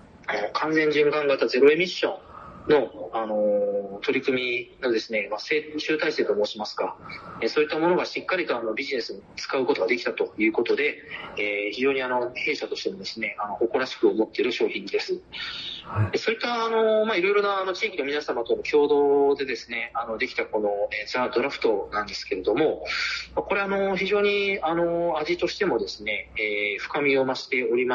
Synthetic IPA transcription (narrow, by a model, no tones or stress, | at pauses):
anokʰãñzẽ̞ɲ̟d͡ʑɨ̃ŋkãŋɡat̪aze̞ɾo̞e̞mʲiɕːõ̞nno̞ano̞t̪o̞ɾʲikɯ̟mʲino̞d̪e̞sɨne̞mase̞ːɕɨːt̪aise̞ːt̪o̞mo̞ːɕimasɨ̥ɡaesoːit̪ːamo̞no̞ɡaɕikːaɾʲit̪oanobʲiʑine̞sɨɲot͡sɨ̥kaɯ̟ko̞t̪o̞ɡad̪e̞kʲi̥t̪at̪o̞jɯ̟ːko̞t̪o̞d̪e̞eːçiʑo̞ːɲ̟iano̞he̞ːɕat̪o̞ɕt̪e̞mo̞d̪e̞sɨne̞ano̞ʔːko̞ɾaɕi̥kɯ̟omo̞t̪ːe̞ɾɯ̟ɕo̞ːçĩnd̪e̞sɨ | eso̞it̪ːaːno̞maiɾo̞iɾo̞naːno̞t͡ɕiːkʲino̞mʲinasamat̪o̞nokʲʰo̞ːd̪o̞ːd̪e̞d̪e̞sɨne̞ano̞d̪e̞kʲi̥t̪ako̞no̞eːt͡sɨad̪o̞ɾaɸɯ̟̥t̪o̞nãnd̪e̞sɨ̥ke̞ɾe̞d̪o̞mo̞mako̞ɾe̞ano̞çiʑo̞ːɲ̟iano̞aʑit̪o̞ɕi̥t̪e̞mo̞d̪e̞sɨne̞eːɸɯ̟̥kamʲio̞maɕi̥t̪e̞o̞ɾʲima